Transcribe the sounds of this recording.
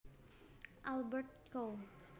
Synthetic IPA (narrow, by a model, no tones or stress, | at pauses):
ʔalbərt̪̚ko